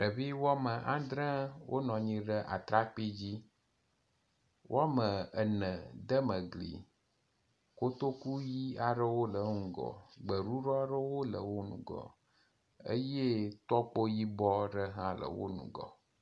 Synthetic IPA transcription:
ɖə˨βi˦wa˦mə˨ʔã˦d̪ɾə̃˦wʔo˦nɔ̃˨ɲĩ˨ɖə˦ʔa̰˨t̪ɾa˦k͡pi˦d͡ʑi˦ | wʔo˦a˦mə˨ə˨nə̃˨d̪ə˦mə˨ɡlḭ˨ | ko˦t̪o˦ku˦ji˦a˨ɖə˦wo˦lə˨ŋũ˨ɡɔ̰˨ɡ͡bə˨ɾu˦ɾɔ˦ɖə˦wo˦lə̰˨wo˦nũ˨ɡɔ̰˨ | ə̰˦je˦t̪ɔ˦k͡po˦ji˦bɔ˦ɖə˦ɦã˦lə̰˨wo̰˦nṵ̃˨ɡɔ̰˨

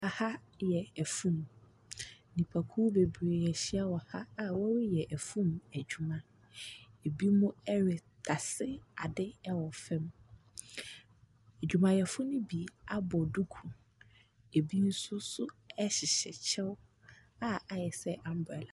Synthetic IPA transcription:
a˨ha˦ | jɛ˨æ˨fũ˦m | nĩ˨pʰa˨kʰu˦be˨bɾe˨ɛ˨ɕɪ˦a˦wɔ˨ha˦a˦wɔ˦ɾɪ˦jɛ˨ʔæ˨fũ˦mæ˨d͡ʑᶣu˨mã˨ | e˨bi˦mʊ̃˦ɛ˦ɾɪ˨tʰa˨sɪ˦a˨dɪ˦ɛ˦wɔ˨fɛ̃˦m | æ˨d͡ʑᶣu˨mã˨jɛ˨fʊ˦nʊ̃˦bi˨a˦bɔ˨du˦kʰũ˨ | e˨bi˦n̩˦sʊ˦sʊ˦ɛ˦ɕɪ˨ɕɛ˨t͡ɕʰɛ˦w | a˦a˨jɛ˨sɛ˦ʔã˨m˦bʊ˨ɛ˨la˨

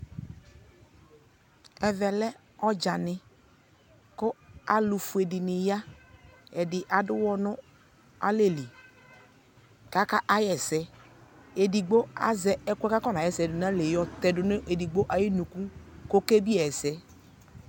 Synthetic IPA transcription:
ɛ˨vɛ˨lɛ˦ | ɔ˦d͡ʒa˨nɪ˨ | kʊ˦a˨lu˨fu˨e˨dɪ˨nɪ˨ja˦ | ɛ˨dɪ˨ʔa˨dʊ˦wɔ˦nʊ˦ | a̰˦le˦˨li˨ | ka˦ka˦ʔa˦jɛ˨sɛ˨ | e˨di˨ɡ͡bo˦a̰˦zɛ˨ɛ˦kʷɛ˦ka˦kɔ˦n˨a˨jɛ˨sɛ˨dʊ˨na˦le˨jɔ˦t̪ɛ˨dʊ˨nʊ˦ʔe˨di˨ɡ͡bo˦ʔa˨ji˦nu˨ku˦ko˦ke˦bi˦ɛ˨ɛ˨sɛ˦

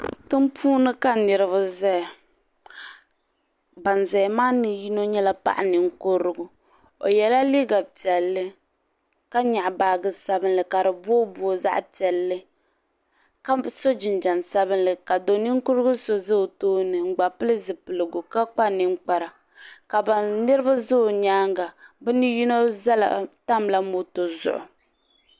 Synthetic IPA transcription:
tɨ˦m˦pʰuː˦nɨ˦ka˦nɪ˨ɾɨ˨βʊ˦zɛ˦˨ | ba˨nzɛ˨maː˦nɨ˨ji˦no˦ɲɛ˦la˦pa̰˦ʔa̰˨ni˨ŋ˦ko˦ɾɨ˦ɡʊ˦ | o̰˨jɛ˨la˦li˦ɡa˨pi˨ɛ˨lːɨ˦ | ka˦ɲa˨ʔbaː˨ɡɨ˦sa˦bɨ˦nlɨ˨ka˨ɾɨ˨bo˦bu˦o˦za̰˦ʔpi˨ɛ˨lːɨ˦ | ka˦so˦d͡ʒɪ˨nd͡ʒa˨nsa˦bɨ˦nlɨ˨ka˨do˨ni˦ŋ˦kʊ˦ɾɨ˦ɡʊ˦so˦zo˦˨toː˦nɨ˨ŋ͡m̩˨ɡ͡ba˨pɨ˦lɨ˦zɨ˨pɨ˨lɨ˨ɡʊ˨ka˦k͡pa˦nɨ˦ŋ͡mk͡pa˨ɾa˨ | ka˨ba˨nɨ˦ɾɨ˦ba˦zo˦˨ɲaː˦ŋɡa˨bɛ˦ni˦ju˦no˦za˦la̰˨ta˦mla˦mo˦to˨zʊ̰˦ʔʊ̰˨

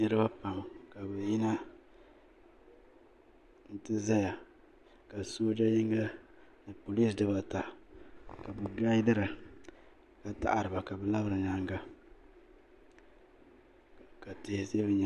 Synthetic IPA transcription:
nɨ˦ɾɨ˦ba˦pa˨m˨ka˨bɛ˨jɪ˦na˦ | n̩˦tɨ˦za˦ja˨ | ka˨soː˦d͡ʒa˦jɪ˦ŋ˦ɡa˦ | nɨ˨po˨li˦sdɨ˦ba˨ta˨ | ka˨bɨ˨da˦dɨ˦ɾa˨ | ka˨ta̰˨ʔa˨ɾɨ˨ba˨ka˨bɛ˨la˦bɨ˨ɾɨ˨ɲa˦ŋɡa˦ | ka˨tɪ˨hse˦bɛ˦ɲa˨

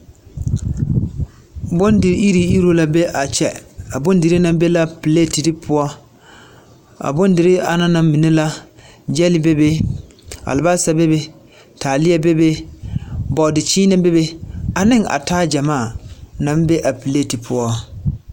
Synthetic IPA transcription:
bo˦ndɪ˨ɾi˦ɾi˨i˦ɾo˦la˦be˦ʔa˨t͡ʃɛ̰˨a˨bʊ˦n˦dɪ˨ɾi˦nã˦m˦be˦la˦pi˨le˦˨ti˨dɪ˦pʰʊ˦ɔ˦ | a̰˨bo˦n˦dɪ˨ɾɪ˦a̰˨na˦na˨mmi˨ne˦la˦ | d͡ʒɛ˦lɪ˦be˦be˦ | a̰˨lɪ˨ba˦sa˦be˦be˦ | tʰaː˨lɪ˦ɛ˦be˦be˦ | bɔ˨dɪ˨t͡ʃiː˦nɛ˦be˦be˦a˨nɪ˦ŋa̰˨taː˦d͡ʒa˨maː˦˨nã˨˦mbe˦ʔa˨pi˨le˦˨ti˨pʰʊ˦ɔ˦

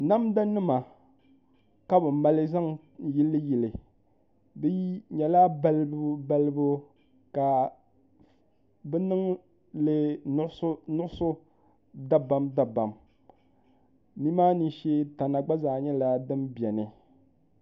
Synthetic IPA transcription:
na˦mda˦nɨ˦ma˨ | ka˦bɨ˨m̩˦ma˨lɨ˦za˦ŋ | ji˦lːɨ˦ji˨lɨ˨ | bɨ˦ji˦ɲɛ˨la˦ba˦lbba˦lɨ˦bu˦ | ka˨ | bɛ˦nɨ˦ŋ | lɨ˦ | nʊ˦ʔʊ˦sʊ˦ | da˦ba˦mda˨ba˨m | mi˦maː˦ni˦ʃe˦ta˨na˨ɡ͡ba˦zaː˨ɲɛ˦la˨dɨ˦mbjɛ˨nɨ˨

